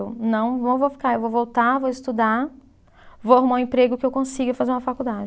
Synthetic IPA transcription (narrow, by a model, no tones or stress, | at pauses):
wnɐ̃w̃võvowfi̥kaewvowvowt̪avowɪst̪ud̪a | vowahumaw̃ẽpɾeɡʊkɪewkõsiɡɐfazeɾũmɐfakuwd̪ad͡ʒɪ